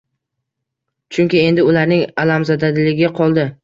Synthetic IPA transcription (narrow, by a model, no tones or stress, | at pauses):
t͡ʃʰʊŋkʲɪe̞nd̪ɪʊlaɾnɪŋalamzad̪ad̪ɪlɪɡʲɪaqʰɒlˠd̪ɪ